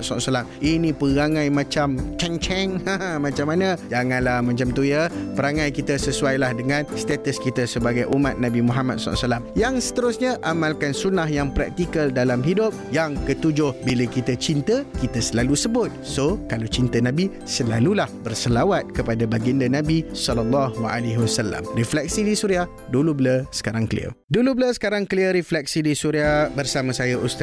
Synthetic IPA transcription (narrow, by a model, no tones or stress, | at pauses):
sasalaminĩpəɣaŋãjmãt͡ʃamt͡ʃɛŋt͡ʃɛŋhamãt͡ʃamːanə̃d͡ʒaŋãnlahmat͡ʃamt̪ujəpəɾaŋãjkit̪əsəsuajlahdəŋãnst̪et̪əskit̪əsəbaɡajʔumat̪̚nabimuɦama̰t̪̚sa̰salamjaŋsə̥t̪əɾʊsɲaʔamalkansunahjaŋpɾa̰k̚t̪ikəldalamɦidʊp̚jaŋkət̪ud͡ʒʊhbiləkit̪ət͡ʃint̪əkit̪əsəlalusəbʊt̪̚sokalat͡ʃint̪ənãbi | səlalulahbərsəlawat̪̚kəpadabaɡindanãbisɔlalːahwaʔa̰leɦiwasalːa̰mriflɛk̚sidisuɾiah | dulubləsə̥kaɾaŋkəlḭə̰dulubləsə̥kaɾaŋkəliəɾiflɛk̚sidisuɾiahbərsamãsajaʔust̪